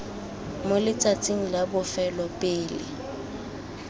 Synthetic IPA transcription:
molɪt͡sʼat͡sʼiŋ̩labʊfɛlɔpʼɪːlɪ̰

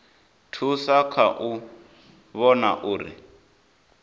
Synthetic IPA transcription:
tʰusakʰaʔu | βɔna̰ʔuːɾḭ

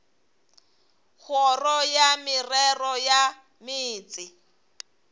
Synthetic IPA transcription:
ɣʰɔrɔjamɪrɛrɔja | mɪːt͡sʼɪ

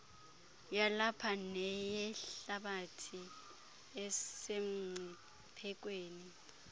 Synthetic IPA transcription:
jalapʰanɛjɛɬaɓatʰi | ɛsem̩ŋ͡ǀʱi | pʰɛk̬weːni

